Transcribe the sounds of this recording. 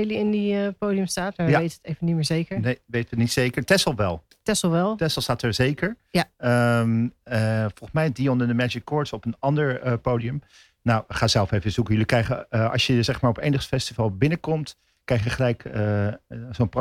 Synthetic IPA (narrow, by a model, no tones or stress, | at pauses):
jliɪndiəpowdiəmstaːtmaɹaejtəətevənitmɪːɹzejkəɹnejʋejtətnitsejkəɹtɛsl̩ˠʋɛlˠ | tɛsl̩ˠʋɛlˠtɛsəlˠstaːtəɹzejkəɹaəməfɔlˠχəsmɛjdiɔnəndəmɛd͡ʒɪkːɔɹtsɔpənɑndəɹəpowdiəm | nawχaːzɛlˠfejvəzukəjəlikrɛjχəɑ̰sjəzɛχmaːɹɔpejnəχsfɛstivalˠbɪnəkɔmt | krɛjχjəχəlɛjkəzonp